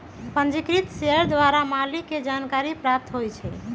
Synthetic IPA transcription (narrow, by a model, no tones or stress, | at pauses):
pənd͡ʒikɾit̪seəɾd̪ʋaɾamalikːed͡ʒankaɾipɾap̚t̪ɦojt͡ʃʰɛ